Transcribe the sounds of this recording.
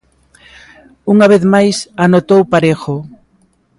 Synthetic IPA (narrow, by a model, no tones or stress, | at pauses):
uŋaβ̞eθmajsanot̪owpaɾexo